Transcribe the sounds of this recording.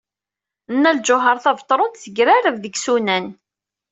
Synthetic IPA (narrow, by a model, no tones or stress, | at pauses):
nːæld͡ʒʊɦəɾˤθævt̪ˤːɾˤʊnt̪θəɡɾaɾəvðəɡsunæn